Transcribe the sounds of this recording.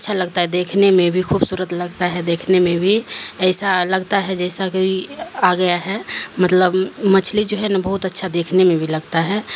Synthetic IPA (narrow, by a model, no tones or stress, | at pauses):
ɐtːʃʰaləɡt̪aɦɛd̪eːkʰnemẽbʱixʰuːbsuːɾət̪ləɡt̪aɦɛd̪eːkʰnemẽbʱiɛɪsaləɡt̪aɦɛd͡ʒɛːsakiiaɡəjaɦɛmət̪ləbmət͡ʃʰlid͡ʒoːɦɛnabəɦʊt̪ətːʃʰad̪eːkʰnemẽbʱiləɡt̪aɦɛ